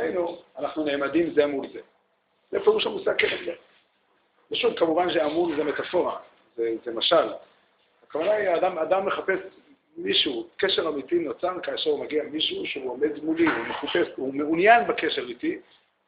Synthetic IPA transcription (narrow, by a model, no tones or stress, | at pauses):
ejnuanaχnune̞ːmadimzemulze̞ | zepeʁuʃamusakeelze | baʃuvkamuvanʃeamulzemet̪afo̞ʁa | zezemaʃal | akavanaiaːdamad̪amːeχape̞s | miʃukeʃe̞ʁamitino̞t͡saʁkaːʃeʁumaɡiamiʃuʃeuome̞dmuliumeχape̞sumeunjanbake̞ʃe̞ʁiti